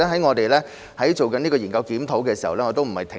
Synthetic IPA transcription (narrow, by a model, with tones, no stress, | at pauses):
ɛː˥ɦɐ˨˥jŋɔː˨˧t̪e˨jlɛː˥ | hɐ˨˥jt͡so˨wkɐ˨ni˥kɔː˧jiː˨˩nkɐ˧wkiː˨˥mt̪ʰo˨˥wkɛː˧si˨˩hɐ̰˨˩wlɛː˥ŋɔː˨˧t̪o˥wm̩˨˩hɐ˨jt̪ʰɪ˨